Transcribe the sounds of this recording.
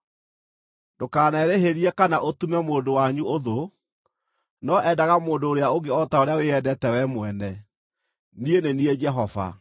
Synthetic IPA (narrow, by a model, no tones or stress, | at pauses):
dokaːnɛɾeɦeɾiɛkanaʔotumɛmoːdowaɲuoðo | nɔʔɛdaɣamoːndoːɾeaoɡeɔtaoɾeaweɛdɛtɛwɛmwɛnɛ | nienenied͡ʒɛɦɔva̰